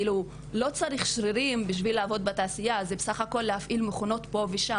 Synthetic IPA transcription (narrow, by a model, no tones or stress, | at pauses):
ilu | lo̞t͡saʁiχʃʁiɾimbiʃ̬vilːaːvo̞d̪̚betaːsijazebesaχako̞lːehafʔilmeχuno̞t̪po̞viʃa